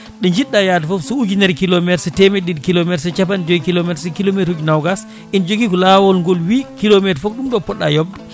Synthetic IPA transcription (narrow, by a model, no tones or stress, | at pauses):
ɗɛɲd͡ʒiɗːajatafɔfsuud͡ʒindɛɾkilomɛtsɛtɛmɛdidkilomɛtsɛt͡ʃapand͡ʒoɡikilomɛtsɛkilometud͡ʒunawɡas | ind͡ʒoɡikɔlawɔlŋɡɔlwikilomɛtfɔkɗumɗɔpɔɗːajɔb